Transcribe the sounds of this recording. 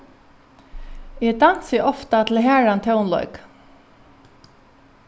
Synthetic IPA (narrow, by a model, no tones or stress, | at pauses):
ɛd̪an̥sɪɔft̪at̪ʰɪlɦæːɹant̪ʰɛwnlɔ̰ʏk